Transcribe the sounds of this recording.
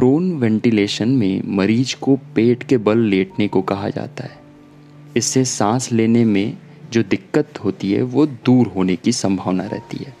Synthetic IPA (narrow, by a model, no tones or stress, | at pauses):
pɾoːnʋɛ̃ːɳʈileːʃənmḛ̃mɐɾiːd͡ʒkopeːʈkebɐlːeːʈnekokɐɦa̰d͡ʒa̰ːt̪a̰ɦɛː | ɪsːesãːsleːnemẽ | d͡ʒoːd̪ɪkːət̪ɦoːt̪iɦɛ̰ʋoːd̪uːɾɦoːnekisɐ̃mbʱəʋnaɾɛ̰ɦt̪ḭɦɛː